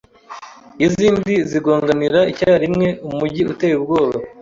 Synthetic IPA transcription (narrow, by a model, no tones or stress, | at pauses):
iziːndiziɡoːŋɡaniɾaicaːɾimŋe̞umuɟiute̞ːjubɡo̞ːβa